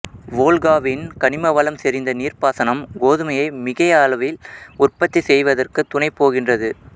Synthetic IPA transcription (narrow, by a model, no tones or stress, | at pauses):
ʋoːlɣaːʋɪnkɐɳɪmɐʋɐlɐmsɛɾɪnd̪ɐniːrpaːsɐnɐmɡoːðɯmɐjɐɪmɪɣɐjaːlɐʋɪlʊrpɐt̪ːisɛjʋɐðɐrkɯt̪ːʊɳɐɪpːoːɣɪndrɐðɯ